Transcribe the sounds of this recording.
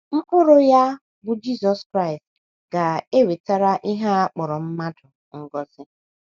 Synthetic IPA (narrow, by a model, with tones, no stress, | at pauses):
ŋ͡m̩˦k͡pʊ˦ɾʊ˦ja˦ | ɡʊ˨d͡ʒi˦zɔ˨skɾa˦ɪ˨st | ɡ̥a˨e˦we˨ta˦ɾa˦ʔi˦ɦa˦a˦k͡pɔ˨ɾɔ˨m̩˦ma˦dʊ˨ | ŋ̩˦˨ɡɔ˦zɪ˦